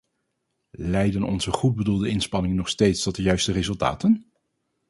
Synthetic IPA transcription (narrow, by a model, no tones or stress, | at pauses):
lɛjdənɔ̰nzəχud̚bədulˠdəɪnspɑnɪŋənɔχstejtstɔt̚dəjœɥstərezɵlˠta̰ːtən